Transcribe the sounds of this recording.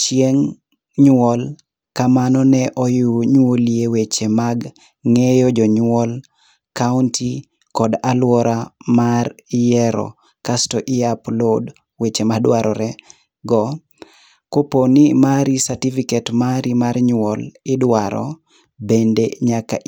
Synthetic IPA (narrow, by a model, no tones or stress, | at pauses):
t͡ʃieŋ | ɲwɔl | kamanɔnɛʔɔjuɲwoliewet͡ʃemaɡ | ŋejɔd͡ʒɔɲwɔl | kauntʰi | kɔdalwɔɾamarjɛɾɔ̰ | kastɔʔɪaplɔd | wet͡ʃemadwaɾɔɾɛ | ɡɔ | koponimaɾisatifiketmaɾimaɾɲwɔlɪdwaɾɔ̰ | bendeɲaka̰